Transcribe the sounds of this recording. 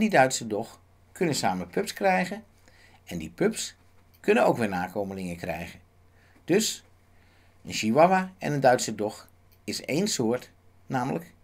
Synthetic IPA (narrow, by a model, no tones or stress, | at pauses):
ndidœɥtsədɔx | kʰɵnənsaːməpʰɵpskrɛjɣən | ɛndipʰɵps | kʰɵnəno̰wkʋɪːɹnaːkʰoːməlɪŋəkrɛ̰jɣən | d̥ɵs | ənʃiʋaʋaɛ̰nəndœɥtsədɔx | ɪsḛːnsoːɹt | naːmələk